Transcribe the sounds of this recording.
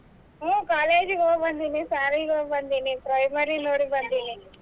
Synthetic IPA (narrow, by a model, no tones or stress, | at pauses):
oːkaːleːd͡ʒiɡobɐnd̪inisaːɾiɡobɐnd̪inipɾɐjmɐɾinoːɽibɐnd̪ini